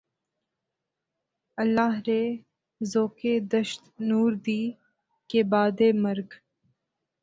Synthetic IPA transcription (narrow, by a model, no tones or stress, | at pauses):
əlːaːɦɾeː | zoːkeːd̪əʃt̪nuːɾd̪iː | kebaːd̪eːməɾɡ